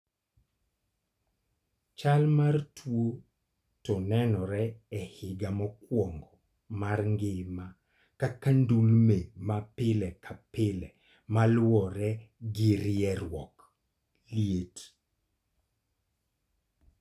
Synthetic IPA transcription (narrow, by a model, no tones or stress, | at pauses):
t͡ʃalmartwo | tɔnɛnɔɾɛɛhɪɡamɔkwɔŋɡɔ | marŋɡɪma | kakandulmemapɪlɛkʰapɪlɛ | malwɔɾɛɡɪɾɛɾwɔk | ljet